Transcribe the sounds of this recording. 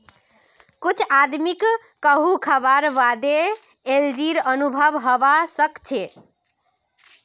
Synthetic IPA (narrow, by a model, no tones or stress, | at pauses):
kut͡ʃʰad̪mikː | əɦukʰəbaɾʋad̪e | eld͡ʒiɾənubʱəbɦəbasəkt͡ʃʰe